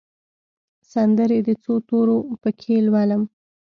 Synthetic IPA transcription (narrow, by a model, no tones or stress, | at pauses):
sand̪əɾed̪ət͡sot̪oɾopəkʰelwaləm